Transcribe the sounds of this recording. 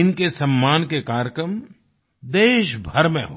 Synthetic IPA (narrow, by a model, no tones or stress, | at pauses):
ɪnkesɐmːaːnkekaːɾəkɾəm | d̪eːʃbʱɐɾmḛ̃ɦoː